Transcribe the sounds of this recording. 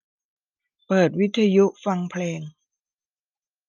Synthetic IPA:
pɤː˨˩t̪̚wi˦˥t̪ʰːa˧ju˦˥ʔfa˧ŋpʰleː˧ŋ

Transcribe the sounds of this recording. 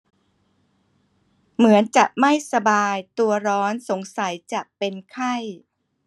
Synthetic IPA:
mɯ˩˦ənt͡ɕa˨˩ʔ̚ma˥˩jsa˧baː˧jt̪u˧ɐɾɔː˦˥nso˩˦ŋsa˩˦jt͡ɕa˨˩ʔpe˧nkʰa˥˩j

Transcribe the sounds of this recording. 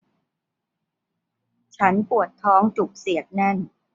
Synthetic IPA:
t͡ɕʰa˦˥npu˨˩ət̪ʰːɔː˦˥ŋt͡ɕu˨˩k̚si˨˩˦ək̚na˥˩n

